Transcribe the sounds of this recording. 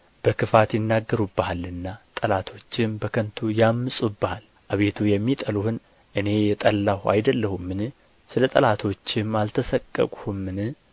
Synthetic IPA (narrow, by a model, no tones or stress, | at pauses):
b̥əkʰɨfat̪jɪnːaɡːəɾubːəhalːɨnːat̪ʼəlat̪ʰo̞t͡ʃːɪmbəkʰənt̪ʰujamːɨsʼubːəhal | ʔaβe̞t̪ʰujɛmːit̪ʼəluhɨn | ʔɨne̞jɛt̪ʼəlːahua̰jd̪əlːəhumːɨnɨ | sɨlət̪ʼəlat̪ʰo̞t͡ʃːɪmalt̪ʰəsəkʼːə̰kʼuhumːɨnɨ